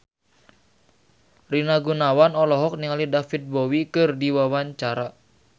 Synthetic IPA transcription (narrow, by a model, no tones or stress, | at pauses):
rinaɡunawanɔlɔɦɔk̚niŋalidafit̪̚bowikɨrdiwawaɲt͡ʃaɾa